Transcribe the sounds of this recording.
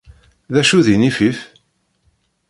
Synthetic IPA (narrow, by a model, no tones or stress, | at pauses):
ðæʃuðinifif